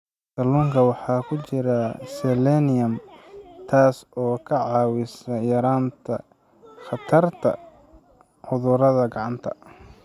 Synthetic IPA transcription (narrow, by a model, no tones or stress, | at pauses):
sɐluːŋkʰɐwɑħɑːkʰʊt͡ʃɪɾɐsɛlɛnɪjɐmt̪ʰaːsɔːkʰɐʕɑːwɪsɐjɐɾaːnt̪ʰɐ | χɑt̪ʰɐrt̪ʰɐ̰ | ʕʊðʊɾɐðɐɡɑʕɑnt̪ʰɐ̰